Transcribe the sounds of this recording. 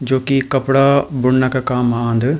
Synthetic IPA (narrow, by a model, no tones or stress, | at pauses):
d͡ʒoːkikɐpɽabʊɽnəkkaːmãːnd̪